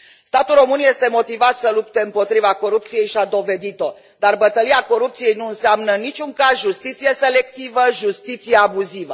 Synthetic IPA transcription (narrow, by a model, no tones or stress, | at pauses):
st̪at̪ulro̞mɨnje̞st̪e̞mo̞t̪ivat̪səlup̚t̪e̞ɨmpo̞t̪ɾivako̞ɾup̚t̪sije̞jʃiad̪o̞ve̞d̪it̪o̞ | d̪arbət̪əliako̞ɾup̚t̪sije̞jnuɨnseamnənit͡ʃʲuŋkazʒust̪it̪sije̞se̞le̞k̚t̪ivəʒust̪it̪sijeabuzivə